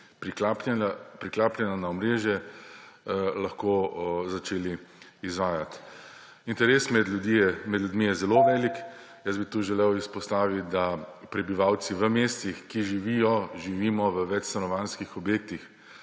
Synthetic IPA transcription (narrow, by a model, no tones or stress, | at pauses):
pɾiappɾiklaːplʲɛnanaɔmɾeːʒjɛ | laxkozat͡ʃeːliː | zʋaːjat̪ | int̪ɛɾeːsmɛd̪ud̪imɛd̪lʲjud̪mijɛzɛloʋɛːlik | jəsbit̪uʒɛlewispɔst̪aːʋit̪d̪apɾɛbiʋaw̪siʋəmeːst̪ixkiʒiʋijɔʒiʋiːmɔʋəʋɛt͡ʃsanɔʋanskixɔbjeːk̚t̪ix